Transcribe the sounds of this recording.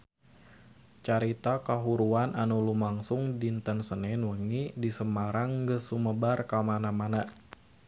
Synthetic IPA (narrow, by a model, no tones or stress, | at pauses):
t͡ʃaɾit̪akaɦuɾuanʔanulumaŋsʊŋdint̪ənsənɛnwəŋidisəmaɾaŋɡəsuməbarkamanamana